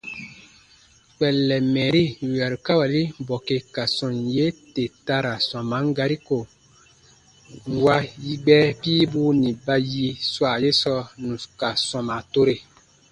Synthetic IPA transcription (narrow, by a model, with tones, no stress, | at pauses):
k͡pɛ˨lːɛ˨mɛː˨ɾi˦wa˨ɾka˦wa˨li˦bɔ˨ke˨ka˨sɔ̃˨nje˦te˨ta˧ɾa˨sɔ̃˨mã˨˦ŋ˦ɡa˧ɾi˦ko˨ | ŋ̩˨wa˦ji˦ɡ͡bɛ˦piː˦buː˦nĩ˨ba˧ji˧swa˨je˦sɔ˧nũ˨ka˨sɔ̃˨ma˨to˦ɾe˨